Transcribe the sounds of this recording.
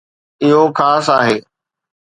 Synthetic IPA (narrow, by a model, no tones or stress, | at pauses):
ɪɦokʰaːsaːɦeː